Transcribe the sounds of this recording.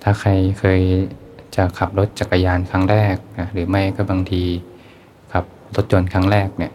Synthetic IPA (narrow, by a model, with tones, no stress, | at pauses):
t̪ʰaː˧˩kʰa˧jkʰɤː˧jt͡ɕa˨˩kʰa˨˩p̚lo˦˥t̪̚t͡ɕa˨˩kːa˧jaː˧nkʰaː˦˥˩ŋɾɛː˥˩k̚na˧˩ɾɯː˩˦ma˥˩jkɔ˥˩baː˧ŋt̪ʰiː˧ | kʰa˨˩p̚ | lo˦˥t̪̚t͡ɕo˧nkʰaː˦˥˩ŋɾɛː˥˩k̚ni˧˩˨